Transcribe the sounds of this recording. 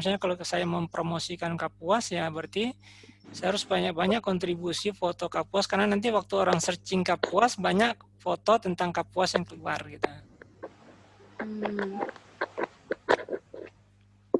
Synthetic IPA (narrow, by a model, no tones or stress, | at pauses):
s̬aɲakalosajaməmpɾʔomosikankap̚uasjabərt̪i | sajaɾʊsbaɲak̚baɲakːɔnt̪ɾibusifot̪okapuaskarnanant̪̬iwak̚t̪uoɾaŋsərt͡ʃiŋkapuasbaɲakfot̪ot̪ənt̪aŋkapuasjaŋkəluarɡit̪u | m̩